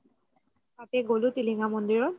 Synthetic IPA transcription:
tat̪ɛɡolutiliŋamɔndiɹɔn

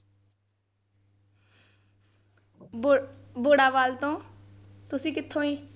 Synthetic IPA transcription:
boːɽaːbaːlt̪õː | t̪ʊsĩːkɪt̪ʰːõːĩː

